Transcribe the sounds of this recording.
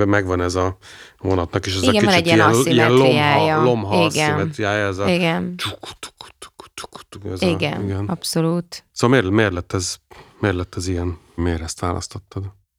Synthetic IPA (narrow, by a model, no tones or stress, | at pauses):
mɛɡʋɒnɛzɒ | vonɒt̪nɒkeʃɛziɡɛiiɛɟiijɛniijɛnlloaːjɒlomɦɒiɡɛinɛt̪ɾijaːjɛzɒiɡɛnt͡ʃuku̥t̪u̥ku̥t̪u̥ku̥tu̥ku̥t̪uɛziɡɛniɡɛnɒpsoluːt̪soɒlmeːrmeːrlɛt̪ːɛzmeːrlɛt̪ːɛzijɛn | meːɾɛst̪ʋaːlɒ̰st̪ot̪ːɒd̪